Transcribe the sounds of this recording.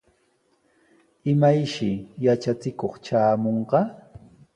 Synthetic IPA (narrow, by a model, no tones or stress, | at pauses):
ɪmajʃɪjat͡ʃat͡sɪkoχt͡ʃaːmoɴɢɑ